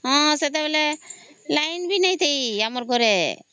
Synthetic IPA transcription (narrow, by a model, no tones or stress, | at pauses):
hɔ̃sɛt̪̬ɛbɛlɛlajnbinajt̪ejamɔɾɡɔɾɛ